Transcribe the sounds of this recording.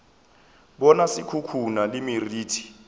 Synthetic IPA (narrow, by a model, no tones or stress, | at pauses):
ɓɔnasikʰukʰunalimiriːtʰi̥